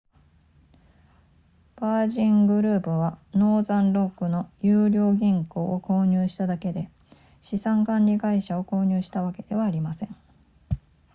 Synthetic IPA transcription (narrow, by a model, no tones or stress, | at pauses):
b̥aːʑĩŋɡɯ̟ɾɯ̟ːpɯ̟βano̞ːzãnɾo̞kːɯ̟no̞jɯːɾʲo̞ːɡʲĩŋko̞ːoko̞ːɲ̟ɨːɕi̥t̪ad̪ake̞d̪e̞ | ɕisãŋkãnɾʲiɡaiɕao̞ko̞ːɲ̟ɨːɕi̥t̪aβ̞ake̞d̪̥e̞βaːɾʲimasẽ̞ŋ